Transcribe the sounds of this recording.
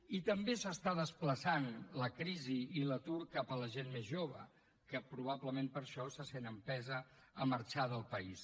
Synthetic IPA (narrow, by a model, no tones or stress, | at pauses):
it̪əmbesəst̪aðəspləsanləkɾiziilət̪uɾkapələʒenmezʒoβ̞ə | kəpɾuβabləmempəɾʃɔsasenəmpɛzəːməɾt͡ʃaðəlˠpəis